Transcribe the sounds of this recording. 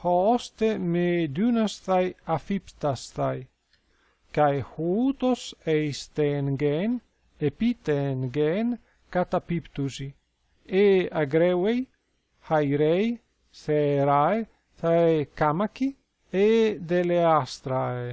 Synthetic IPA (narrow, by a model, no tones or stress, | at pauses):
hɔɔst̪emed̪unast̪ajafipt̪ast̪aj | kajhuut̪osejst̪enɡɛn | epit̪enɡɛːn | kat̪apipt̪usi | eaɡɾɛwej | hajɾɛj | seɾae | θaekamaki | ed̪eleast̪ɾae